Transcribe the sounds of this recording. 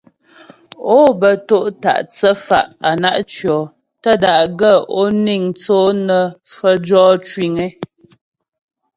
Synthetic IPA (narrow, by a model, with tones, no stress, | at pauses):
o˦bə˨to˦ʔta̰˨ʔt͡sə˦fa̰˨ʔa˨na˦ʔt͡ʃɥɔ˨ | tə˦da˨ʔɡə˦˨o˦ni˦˨ŋt͡so˦nə˨ʃwə˦d͡ʒɔː˦t͡ʃwi˨ŋɛ˦